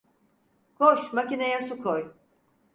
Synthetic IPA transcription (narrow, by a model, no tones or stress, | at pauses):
ɡ̥ʰoʃmacinajasukʰoj